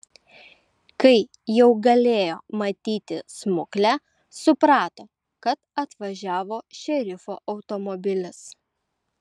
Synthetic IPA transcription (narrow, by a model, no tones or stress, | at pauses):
kɐɪ | jɛʊɡɐlʲeːjoːmɐt̪ʲiːt̪ʲɪsmʊklʲæː | sʊpɾɑːt̪oː | kɐt̪ɐt̪ʋɐʒʲæːʋoːʃʲɛɾʲɪfo̰ːʔɒʊt̪ɔmɔbʲɪlʲɪs